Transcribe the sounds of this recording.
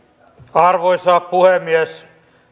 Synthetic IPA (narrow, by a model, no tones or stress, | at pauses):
ɑrʋoisɑːppuhemːiɛs